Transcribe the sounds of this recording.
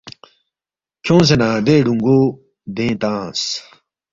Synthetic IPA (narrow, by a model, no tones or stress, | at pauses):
kʰõːs̬enãːd̪eːɖũŋɡoː | d̪ẽːt̪ãːs